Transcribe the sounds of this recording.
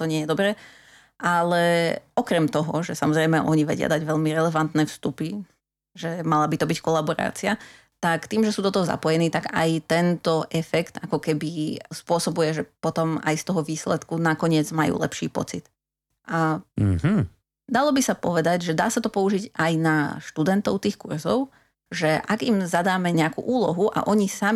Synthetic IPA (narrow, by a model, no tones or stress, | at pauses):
t̪ɔɲɪɛjɛd̪ɔbɾɛ | ʔalɛɔkɾɛmt̪ɔɦɔʒɛsamɔzɾɛjmɛʔɔɲiʋɛ̰ɟɪa̰d̪aɟʋɛʎmiɾɛlɛʋant̪nɛːfst̪upi | ʒɛmalabit̪ɔbickɔlabɔɾa̰ːt͡sia | t̪akt̪iːmʒɛsuːd̪ɔt̪ɔɦɔza̰pɔjɛniːt̪aɡa̰jt̪ɛnt̪ɔʔɛfɛkt̪akɔkɛbispʊɔsɔbujɛʒɛpɔt̪ɔma̰jst̪ɔɦɔʋiːslɛt̪kunakɔɲɪɛd͡zmajṵːlɛ̰pʃḭːpɔ̰t͡sit̪ | ʔaɦ̩ | d̪alɔbisapɔʋɛd̪aɟʒɛd̪aːsat̪ɔpɔuʒiɟajnaʃt̪ud̪ɛnt̪ɔʊt̪iːxkurzɔ̰ʊ | ʒɛʔaɡimzad̪aːmɛɲɛakṵːʔuːlɔɦuʔa̰ʔɔɲisami